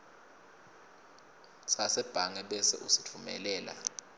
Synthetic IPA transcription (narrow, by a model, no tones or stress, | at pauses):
sasɛb̥ʱaŋɛɓɛsɛ̰ʔusi̥tʰumɛ̰lɛːla̰